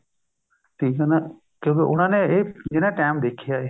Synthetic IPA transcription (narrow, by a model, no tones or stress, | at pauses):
ʈʰiːkɦɛnaː | kjõːkeʔʊñãːneeːd͡ʒɪnãʈɛːmd̪eːkʰːɪjaːeː